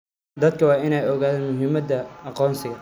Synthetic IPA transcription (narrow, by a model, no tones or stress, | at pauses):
d̪ɐd̪̚kʰɐwɑːɪnɛjɔɣaːðaːnmʊɦɪmɐd̪ɐɑqɔːnsɪɣɐ